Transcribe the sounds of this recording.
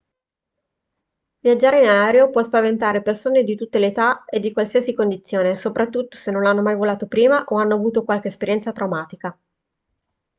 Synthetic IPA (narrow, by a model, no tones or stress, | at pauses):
vjad͡ʒːaːɾeinaɛːɾeopwɔspavent̪aːɾepersoːned̪it̪ut̪ːeleːt̪aed̪ːikwalsiːasikond̪it̪sːjoːnesopɾat̪ːut̪ːo̥senːonlanːomajvolaːt̪opɾiːmaʔoanːoavuːt̪okwalk̟eːspeɾjɛnt̪sat̪ɾawmaːt̪ika